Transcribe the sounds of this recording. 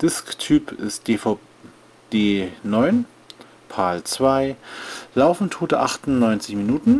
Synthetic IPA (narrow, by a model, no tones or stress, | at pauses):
d̥ɪsktʰyːpʰɪ̰st̚ːf | d̥eːnɔʏn | pʰaːlt͡sv̥aɪlaʊfn̩tʰoːtəʔaχtʊnnɔʏnt͡sɪçminuːtn̩